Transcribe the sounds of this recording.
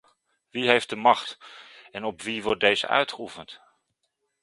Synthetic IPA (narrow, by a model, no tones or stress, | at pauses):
ʋiɦejf̚dəmɑχtɛnɔpʋiʋɔɹt̚dejzə̰ʔœ̰ɥtχəufənt